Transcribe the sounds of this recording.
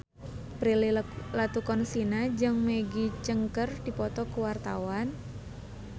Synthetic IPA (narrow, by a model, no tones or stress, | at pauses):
pɾililat̪ukɔnsinad͡ʒɨŋmeɡit͡ʃəŋkərd̥ipɔt̪ɔkuwart̪a̰wan